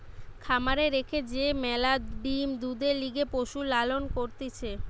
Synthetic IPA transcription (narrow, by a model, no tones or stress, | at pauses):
kʰamaɾeɾekʰed͡ʑemɛlaɖimd̪ud̪eɾliɡepoʃulalonkoɾt̪it͡ɕʰe